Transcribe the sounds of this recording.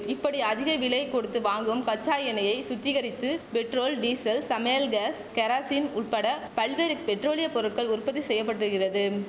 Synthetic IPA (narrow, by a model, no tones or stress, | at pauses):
ɪpːɐɽiɐðɪɣɐʋɪɭɐɪkːɔɽɯt̪ːɯʋaːŋɡɯʋɯmkɐt͡ʃːaːjɐnɐjɐɪsʊt̪ːɪɣɐɾɪt̪ːɯpɛʈroːlɖiːsɐlsɐmɐjɐlɡaːskɛɾaːsiːnʊʈ̚pɐɽɐpɐɭʋeːɾɯk̚pɛʈroːɭɪjɐpɔɾɯʈ̚kɐɭʊrpɐðisɛjːɐp̬ːɐʈːɯɯɣɪrɐðɯ